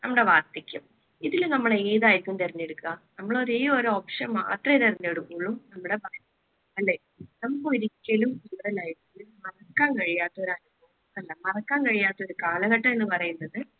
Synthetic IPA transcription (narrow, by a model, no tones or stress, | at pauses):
nɐmːɐɽe̞ʋaːrt̪ːikʲːum | iðilumnɐmːɐɭeeːðaːjiɾikːumt̪ɐriɲːeɽukːuɣɐnɐmːɐɭoɾeːoɾoːpʂɐma̰ʔɐ̰t̪rɐt̪ɐriɲːeɽukːuɭumnɐmːuɽe̞baːj | ɐlːeː | nɐmukːoɾikʲːɐlumkuːɽɐlaːjiɾkːɐlumɐrɐkːaːnkɐɻijaːt̪ːɐoɾɐnubɐm | ɐlːɐmɐrɐkːaːŋkɐɻijaːt̪ːɐo̞ɾukaːlɐɣɐʈːɐme̞nːɨpɐrɐjunːɐðɨ